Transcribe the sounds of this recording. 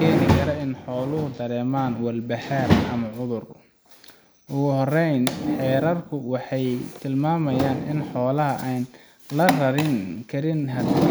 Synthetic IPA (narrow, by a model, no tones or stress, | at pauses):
kʰɛːnɪkʰɐɾɐɪnħɔːlʊɦʊd̪ɐɾɛːmaːnwɐlbɐhaːrʔɐmɐʕʊðʊr | ʔʊɣʊɦɔrɛjnħɛːɾɐrkʰʊwɑħɑjt̪ʰɪlmaːmɐjaːnɪnħɔːlɐɦɐʔaːn | lɐrɐɾɪŋkʰɐɾɪnɦɐd̪